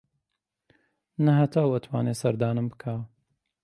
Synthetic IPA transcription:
nɐhɐt̪ʰaːwɐt̪ʰwaːneːsɐɾd̪aːnɨmbɨkʰaː

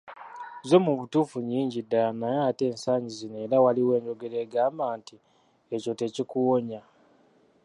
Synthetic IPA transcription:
zo̞muβutuːfuɲiːɲɟidaanajaːte̞ːnsaːɲizine̞ːɾawaliwe̞ːɲɟo̞ɡe̞ɾe̞ɡaːmbaːnti | eco̞te̞cikuwoɲa

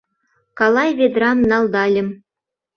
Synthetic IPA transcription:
kɑlˠɑjvʲed̪rɑmnɑlˠd̪ɑlʲɘ̆m

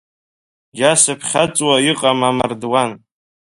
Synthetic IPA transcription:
ɡʲasɨpʰχʲat͡sʼwaiqʼamamardwan

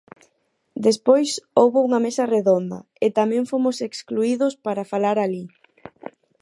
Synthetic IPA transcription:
d̪espojsowβouŋɐmesɐreðond̪ɐ̰ | et̪amɛ̃ŋfomʊsekskluiðʊspaɾafalaɾali

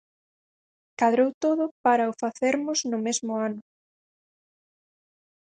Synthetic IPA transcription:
kaðɾowt̪oðʊpaɾɐʊfaθeɾmʊznʊmezmʊanʊ

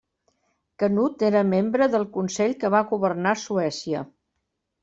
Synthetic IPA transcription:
kənut̪eɾəmembɾəðəlˠkunsɛʎkəβaɣuβərnasuɛsiə

